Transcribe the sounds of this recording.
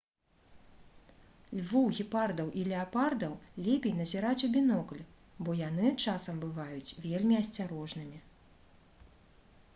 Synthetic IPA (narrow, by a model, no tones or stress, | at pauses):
lʲvuwɣʲipard̪ɐwʔilʲɛapard̪ɐwlʲɛpʲɛjnɐzʲiɾat͡sʲɐbʲinɔklʲ | bɔjan̪ɨt͡ʂasɐmbɨvajut͡sʲvʲelʲmʲiɐsʲt͡sʲaɾɔʐnɨmʲi